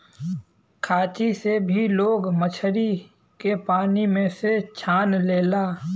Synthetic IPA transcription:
kʰaːt͡ʃisebʱiloːɡmət͡ʃʰəɾi | kepaːnimẽset͡ʃʰaːnleːlaː

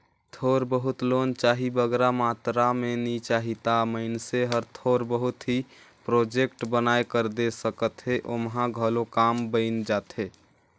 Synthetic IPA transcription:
t̪ʰoɾbəɦut̪lont͡ʃaɦibəɡɾamat̪ɾamenit͡ʃaɦit̪aməɪnseɦəɾt̪ʰoɾbəɦut̪ɦi | pɾod͡ʒekʈbənaekəɾd̪esəkət̪ɦeʔomɦãɡʱəlokambəɪnd͡ʒat̪ɦe

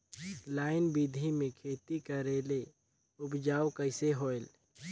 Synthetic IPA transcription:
laːɪnbid̪ʱimẽkʰeːt̪ikəɾeːle | ʊpd͡ʒaːwkəɪseɦoːel

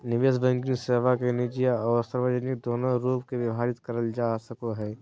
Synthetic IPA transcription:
nɪʋeʃbə̃ŋɡɪnseːʋakenid͡ʒijaɔːɾsəɾʋəd͡ʒənɪkd̪oːnoɾuːpkeʋɪʋɦaːɾɪt̪kɐɾəld͡ʒaːsəkoɦɛː

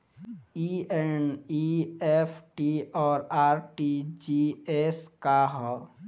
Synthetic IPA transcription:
ieniepʰʈiɔːɾaːɾʈid͡ʒieskaɦɔ

